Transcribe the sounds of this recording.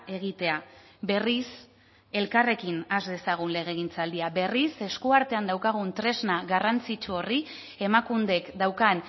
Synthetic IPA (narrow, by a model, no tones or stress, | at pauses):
e̞ɣ̞it̪e̞a | be̞ris | e̞lkare̞kinazd̪e̞saɣ̞unle̞ɣ̞e̞ɣint͡sald̪iabe̞rise̞skuaɾt̪e̞and̪awkaɣ̞unt̪ɾe̞znaɣarant͡sit͡ʃuo̞ri | e̞makund̪e̞kd̪awkan